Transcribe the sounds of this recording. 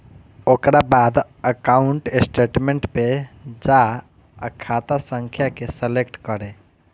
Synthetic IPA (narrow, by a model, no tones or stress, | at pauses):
oːkɾabaːd̪ | əkaːʊɳʈɪsʈeːʈmẽɳʈped͡ʒa | ə̰kʰːaːt̪asə̃ŋkʰjakesəlekʈkəɾẽ